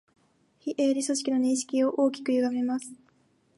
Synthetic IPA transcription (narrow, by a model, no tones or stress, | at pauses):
çiʔeːɾʲiso̞ɕi̥kʲino̞ɲĩɰ̃ɕi̥kʲio̞ʔo̞ːkʲi̥kɯ̟jɯɡame̞masɨ̥